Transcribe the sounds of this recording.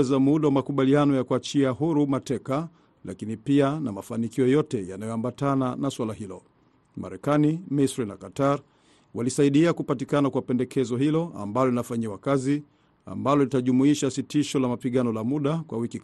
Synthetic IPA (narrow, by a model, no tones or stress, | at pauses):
ɛzamuɗawamakuɓalianɔjakuat͡ʃiaɦuɾumatɛka | la̰kinipianamafanikiɔjɔtɛjanajɔambatananaswalahilɔ | ma̰ɾɛkanimisɾina̰kataɾ | walisaiɗiakupatikanakwapɛndɛkʰɛzɔɦilɔa̰mbalɔlinafaɲiwakazi | a̰mbalɔlitaʄumuiʃasitiʃɔlamapiɠanɔlamuɗakwawikik